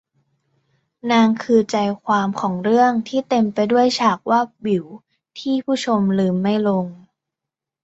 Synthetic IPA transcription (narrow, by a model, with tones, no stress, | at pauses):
naː˧ŋkʰɯː˧t͡ɕa˧jkʰwaː˧mkʰɔː˩˦ŋɾɯ˥˩əŋt̪ʰiː˥˩t̪e˧mpa˧jdu˥˩əjt͡ɕʰaː˨˩k̚waː˥˩bi˩˦w | t̪ʰiː˥˩pʰuː˥˩t͡ɕʰo˧mlɯː˧mːa˥˩jlo˧ŋ